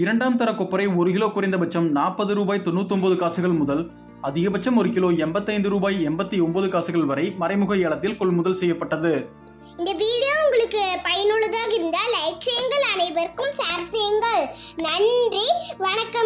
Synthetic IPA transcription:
ɪɾɐɳɖaːmt̪ɐɾɐkɔpːɐɾɐɪɔɾɯkɪɭoːkʊɾɐɪnd̪ɐbɐt͡ʃːɐmnaːpːɐðɯɾuːbaːjt̪ɔnːut̪ːɔmbɐðɯkaːsɯɣɐɭmʊðɐl | ɐðɪɣɐbɐt͡ʃːɐmɔɾɯkɪloːɛmbɐt̪ːɐɪnd̪ɯɾuːbaːjɛmbɐt̪ːiɔmbɐðɯkaːsɯɣɐɭʋɐɾɐɪmɐɾɐɪmɯɣɐɛɭɐt̪ːɪlkɔɭmʊðɐlsɛjːɐpːɐʈːɐðɯ | ɪnd̪ɐʋiːɽɪjoːʊŋɡɐɭɯkːɯpɐjɐnɯɭːɐðaːɣɪɾɯnd̪aːlɐɪt͡ʃɐjɐŋɡɐɭɐnɐɪʋɐɾkɯmsaːɾsɐjɐŋɡɐɭnɐɳdriʋɐɳɐkːɐm

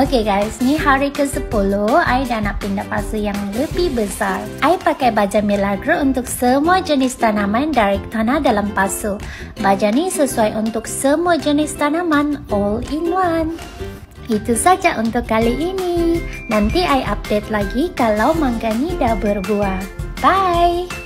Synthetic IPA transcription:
okeɡajsniɦaɾikəsəpuluhajdanaʔpindapasujaŋləbihbəsarʔajpakajbad͡ʒamilaɡɾəunt̪ʊk̚səmuad͡ʒənɪst̪anamandaɾɛk̚t̪anadalampasu | bad͡ʒanisəsuajʔunt̪ʊk̚səmuad͡ʒənɪst̪anamanɔliŋwan | it̪usad͡ʒaʔunt̪ʊkːaliʔːninant̪iʔajʔap̚det̪̚laɡikalawmaŋɡanidabərbuabaj

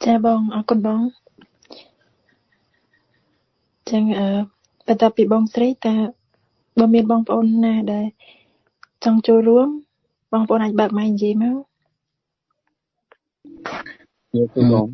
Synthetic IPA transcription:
t͡ɕaːɓɑːŋʔɑːkʊnɓɑːŋ | t͡ɕəŋʔəː | pɔnt̪ŏəpːiːɓɑːŋsrəjt̪aː | ɓɑːmiənɓɑːŋpə̆ʔoːnːaːɗaɛl | t͡ɕɑŋt͡ɕoːlruəm | ɓɑːŋpəʔoːnʔaːc̚ɓaːk̪̚majʔɲjiəjma | jikuɔːŋ

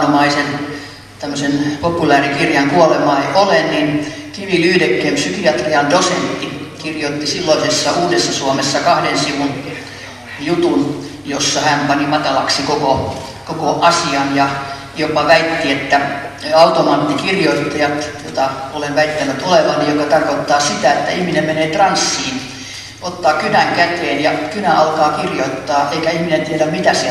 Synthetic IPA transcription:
omɑisen | t̪æmːøsenpopulæːrikirjɑŋkuolemɑiʔolennin | kiʋilyhdekːeːmpsykiɑt̪riɑldosent̪ːikirjot̪ːisilːolisesːɑuːdesːɑsuomesːɑkɑhdensiʋun | jut̪un | josːɑhæmpɑnimɑt̪ɑlɑksikoko | kokoʔɑsiɑnjɑ | jopɑʋæit̪ːiet̪ːæɑut̪omɑːt̪ːikirjoit̪ːɑjɑt̪jot̪ɑolenʋæit̪ːænyt̪oleʋɑnnijokɑt̪ɑrkot̪ːɑːsit̪æet̪ːæ̰ihminemmeneːt̪rɑnsːiːn | ot̪ːɑːkynæŋkæt̪eːnjɑkynæʔɑlkɑːkirjoit̪ːɑːʔeikæihminent̪ieɾæmmit̪æse

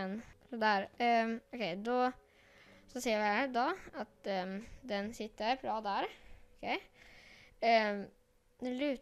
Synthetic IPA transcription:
ɛnsɔd̪æɾɔkʰɛɪd̪ɔ | sɔseːɾʋɪhæɾd̪ɑat̪d̪ɛnsɪt̪ːəɾpʰɾɑːd̪æɾkʰɛɪ | d̪ɛlʉ̟ː

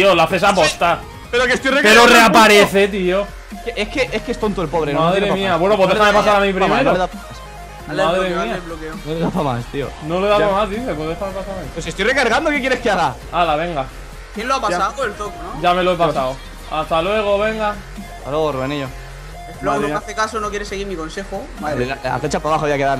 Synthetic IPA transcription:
t̪iolaθe̞sap̬ost̪a | peɾokest̪ojrepeɾoreapaɾeθe̞t̪̬io | keʔehkeʔehkeest̪ont̪oelpoβɾenaðɾeemiaβwe̞nop̬wðexamepasaɾamĩpɾmeɾoðaaas | maðɾemiaβlokeonoleðafama̰st̪io̰noleðapamazðiθe̞woðetaepasaɾaiweset̪ojrekaɾɣand̪oke̞k̬jeɾeskeaɣa | alaβe̞ŋɡa | kjenloapasaðoelt̪okonoʝame̞loepasaw | ast̪alwe̞ɣ̞o̞βe̞ŋɡa | at̪alweɣoruβeniʝo | epmloɾoaθekasonokjeɾesːeɣiɾmiko̞nse̞xomaiaa̰θet͡ʃapaβaxoaβjakeðaɾ

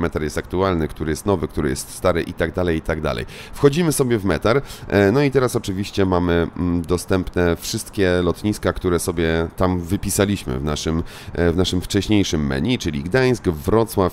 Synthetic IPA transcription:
mɛt̪aɾjɛst̪ak̚t̪ualnɘkt̪uɾɘjɛst̪nɔvɘk̚t̪uɾɘjɛst̪st̪aɾɘ̰ʔit̪aɡd̪alɛjit̪aɡd̪a̰lɛ̰jfxɔd͡ʑimɘsɔbʲjɛvmɛt̪aɾnɔit̪ɛɾasɔt͡ʂɘvʲiɕt͡ɕɛmamɘd̪ɔst̪ɛmpnɛfʂɘst̪kʲɛlɔt̪ɲiskakt̪uɾɛsɔbʲjɛt̪amvɘpʲisalʲiɕmɘ̰vnaʂɘmvnaʂɘmft͡ʂɛɕɲejʂɘmːɛ̰ɲit͡ʂɘlʲiɡd̪aj̃skvɾɔt̪swaf

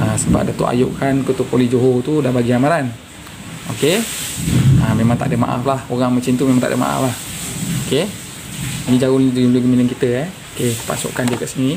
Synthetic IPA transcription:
əsəba̰p̚dat̪ṵʔa̰joʔkankət̪upolid͡ʒoɦot̪udahbaɡiamaɾan | oke | əmemaŋt̪aʔdəma̰ʔa̰flahoɣaŋmət͡ʃint̪umemaŋt̪aʔdə̰ma̰ʔa̰flahoke | nid͡ʒaɣʊliduluɡəminəŋkit̪əɛokepa̰so̰ʔkandiəkaʔsəŋi

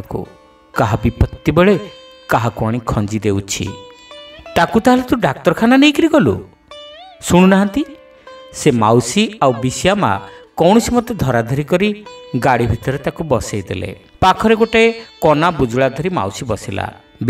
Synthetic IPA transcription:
kṵ | kaɦabipɔt̪ːibeɭe | kaɦakuaɽ̃ikʰɔnd͡ʒid̪eut͡ʃʰḭ | t̪akut̪aɦalet̪ũɖak̚t̪ɔɾkʰananejkiɾiɡɔlṵ | suɽ̃unaɦant̪i | semawsiawbisijama̰kɔwɽ̃ɔsimɔt̪ed̪ʱɔɾad̪ʱɔɾikɔɾiɡaɽibʱit̪ɔɾet̪akubɔsajd̪ḛlḛ | pakʰɔɾeɡoʈekɔnabud͡ʒuɭad̪ʱɔɾima̰wsibɔsila̰ | b

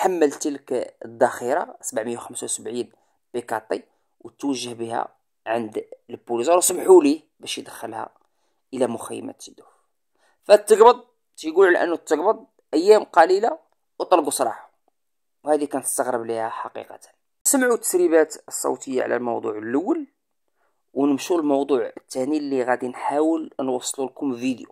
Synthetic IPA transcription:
t̪ħamːəlt̪ilkəd̪ːæxiɾˤɑ̰səbʕməjːawxəmsawsəbʕin | b̥ikɑt̪ˤːi | wət̪wəʒːəhbihæ̰ | ʕənd̪lbːulizɑɾsəmħuli | bæʃjəd̪əxːəlhæ̰ | ʔəlæmʊxæjːə̰mæ̰t̪əd̪uf | fət̪ːəɡbəd̪ˤ | t̪iɡululʔə̰nːut̪ːəɡbəd̪ˤ | ʔəjːæmqɑlila | wt̪ˤːɑlɡusˤɾˤɑ̰ħa | whæd̪ikænt̪ə̥st̪əɣɾəblihæħɑqḭqɑt̪ə̥n | səmʕut̪ːə̥sɾibæt̪əsˤːɑ̰wt̪əjːa̰ʕlæ̰lmo̰wd̪ˤṵʕəlʔəwːəl | wnəmʃulmɑwd̪ˤuʕət̪ːænilːiɣæd̪inħawəlnwɑsˤːlulkʊmlvid̪jṵ

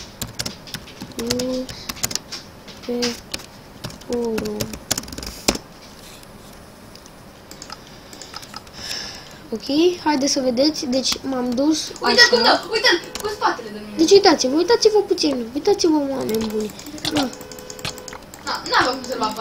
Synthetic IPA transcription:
nu | pe | oɾo | okʰʲe̞jhajd̪esəve̞d̪e̞t̪sʲd̪e̞t͡ʃʲmamd̪ust̪ujt̪əmkuspat̪eled̪omd̪e̞t͡ʃʲujt̪at̪sivəujt̪at̪sivəput̪sinujt̪at̪sivəamenbune | d̪a | anavomusema

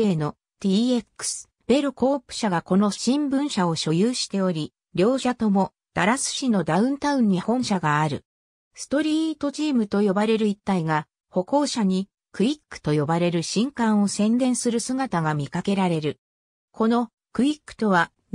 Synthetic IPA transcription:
e̞ːno̞ | t̪ie̞kːɯ̥sɨ̥ | b̥e̞ɾoko̞ːpɯ̟̥ɕaɡako̞no̞ɕĩmbɯ̟̃ɰ̃ɕao̞ɕo̞jɯːɕi̥t̪e̞o̞ɾʲi | ɾʲjo̞ːɕat̪o̞mo̞ | d̪̥aɾasɨ̥ɕino̞d̪aɯ̟̃nt̪aɯ̟̃ɲ̟ːihõ̞ɰ̃ɕaɡaːɾɯ̟̰ | sɨ̥t̪o̞ɾʲiːt̪o̞t͡ɕiːmɯ̟t̪o̞jo̞baɾe̞ɾɯit̪ːaiɡa | ho̞ko̞ːɕaɲ̟i | kɯ̟ikːɯ̟̥t̪o̞jo̞baɾe̞ɾɯ̟ɕĩŋkãɰ̃o̞sẽ̞nd̪ẽ̞ɰ̃sɨɾɯ̟sɨɡat̪aɡamʲikake̞ɾaɾe̞ɾɯ̟ | ko̞no̞ | kɯ̟ikːɯ̟̥t̪o̞βa

